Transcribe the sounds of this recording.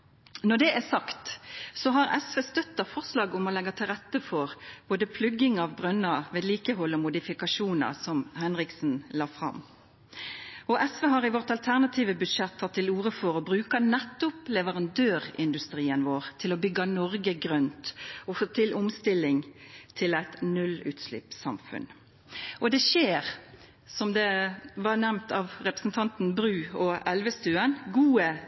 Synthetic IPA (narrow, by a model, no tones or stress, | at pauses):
nɔd̪ɛʔæsɑkt̪sɔɦɑʁɛsʋeːst̪œt̪ːɑfɔʁslɑːɡʊmɔlɛɡːɑt̪ʰɪlʁɛt̪ːəfɔʁb̥oːd̪əpʰlʉɡɪŋɑʋbʁœnːɑʋeːd̪liːkəɦɔlːɔmʊd̪ɪfɪkɑʂuːnɑ̰sɔmhɛnʁɪksn̩lɑːfʁɑ̰m | ɔʔɛsʋeːɦɑʁɪʋɔʁt̪ɑlt̪ʰæʁnɑt̪ʰiːʋəbʉd̪ʂɛt̪ʰːɑt̪ʰːɪluːʁəfɔʁɔbʁʉːkɑnɛt̪ːʊplɛʋəʁɑnd̪øːʁɪ̰nd̪ʉst̪ɾiːənʋoːʁt̪ʰɪlɔbʏɡɑnɔɾɡəɡʁœnt̪ɔfoːt̪ʰɪlʔʊmst̪ɪlːɪŋt̪ʰɪlæɪt̪nʉlʉ̰ːt̪slɪ̰psɑ̰mfʉ̰n | ʔɔd̪ɛʃeːʁ | sɔmd̪ɛʋɑʁnæmnt̪ʰɑʋʁɛpɾəsn̩t̪ʰɑnt̪n̩bɾʉːɔɛlʋəst̪ʉːənɡuːə